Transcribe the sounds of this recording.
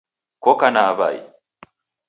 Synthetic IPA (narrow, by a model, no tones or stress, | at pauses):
kokanaːba̰ḭ